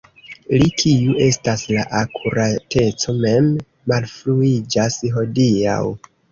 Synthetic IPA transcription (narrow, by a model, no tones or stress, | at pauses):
likʰiuʔe̞staslaʔakʰuɾatʰe̞t͡so̞me̞mː | alfluid͡ʒasɦo̞dia̰w